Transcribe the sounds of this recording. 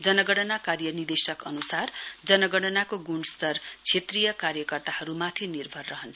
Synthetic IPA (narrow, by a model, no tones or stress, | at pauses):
d͡zʌnʌɡʌɽʌnakarjʌnird̪esʌkʌnusard͡zʌnʌɡʌɽʌnakoɡuɳst̪ʌrt͡sʰet̪rijʌkaɾjʌkʌrt̪ahʌɾumat̪ʰinirbʱʌrːʌɦʌnt͡sʰʌ